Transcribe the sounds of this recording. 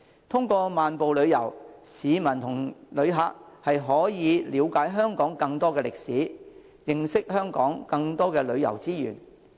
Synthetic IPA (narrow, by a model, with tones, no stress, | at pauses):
t̪ʰʊ˥ŋkʷɔː˧maː˨npo˨wlɵ˨˧ɥjɐ̰˨˩wsiː˨˧mɐ˨˩nt̪ʰʊ˨˩ŋlɵ˨˧ɥɦaː˧k̚hɐ˨jɦɔː˨˥jiː˨˧liː˨˧wkaː˨˥jɦœː˥ŋkɔː˨˥ŋkɐ˧ŋt̪ɔː˥kɛː˧lɪ˨k̚siː˨˥ | jɪ˨ŋsɪ˥k̚hœː˥ŋkɔ̰ː˨˥ŋkɐ˧ŋt̪ɔː˥kɛː˧lɵ˨˧ɥjɐ̰˨˩wt͡siː˥jy̰ː˨˩n